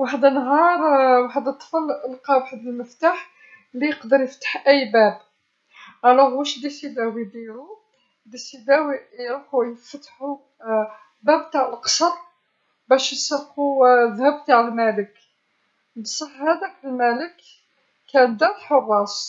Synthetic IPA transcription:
waħəd̪ənːɦɑɾˤwaħəd̪ət̪ˤːə̥fələlqɑwaħd̪əlməft̪aħ | lijəqd̪əɾjəft̪ə̥ħʔæjːbæb | ʕælæɣwæʃd̪isid̪æwid̪ilu | d̪isid̪æwijɾuħujəft̪ħu | bæbt̪aʕəlqə̥sˤɑt̪̚ˤ | bæʃjsˤfuðhæbt̪aʕəlmælək | bsˤəfhæd̪ækəlmæləkː | ænd̪æfħorˤːɑs

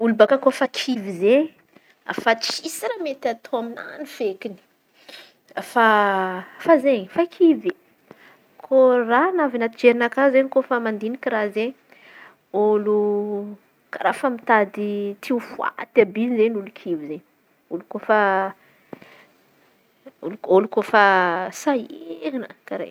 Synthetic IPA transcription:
ulubakakofakʰivize | a̰fat͡sisiɾamet̪at̪ʰoamina̰nifekini̥ | fa | fazeɲifakʰivi | kʰoranavinat̪id͡ʒeɾinakazeɲikofamand̪inikʲirazeɲ | olu | kaɾafəmit̪ad̪it̪ʰiufua̰t̪abinizeɲulukʰivizeɲ | ulukofə | oluolukofəsaiɾinəkaɾḛj

